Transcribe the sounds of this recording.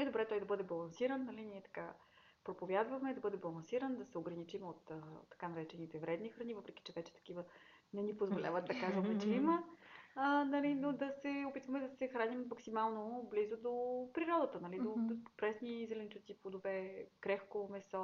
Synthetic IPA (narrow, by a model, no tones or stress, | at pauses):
nɛd̪obɾɛt̪ɔjd̪ɐbɤd̪ɛbɐlˠɐnsiɾənnːɐliniɛt̪ɐ̥ka | pɾopovʲjad̪vɐmɛd̪ɐbɤd̪ɛbɐlˠɐnsiɾənd̪ɐsɛoɡɾɐnit͡ʃimot̪ət̪ːɐ̥kanɐɾɛt͡ʃɛnit̪ɛvɾɛd̪nixɾɐnivɤpɾɛki̥t͡ʃɛvɛt͡ʃɛ̥t̪ɐ̥k̟ivə | nɛnipozvolʲa̰vət̪̚d̪ɐkazvɐmɛt͡ʃɛiməənɐlinod̪ɐsɛopit̪vɐmɛd̪ɐsɛxɾanimmɐksimalˠnoblizod̪opɾiɾɔd̪ət̪ənɐlid̪opɾɛsnizɛlɛnt͡ʃ̪ut̪sipod̪ovɛkɾɛxkomɛsɔ